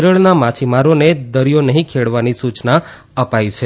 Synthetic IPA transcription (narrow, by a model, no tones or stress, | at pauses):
ɾəɭnamat͡ʃʰimaɾoned̪əɾijonəɦĩkʰeɭʋanisut͡ʃna | əpait͡ʃʰe